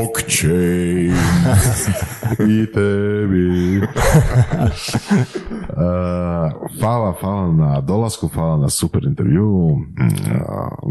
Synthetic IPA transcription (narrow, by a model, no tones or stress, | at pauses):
kt͡ʃejns | it̪ebi | ə | faːlˠafaːlˠanad̪olˠaskufaːlˠanasupɛɾint̪ḛɾʋjṵ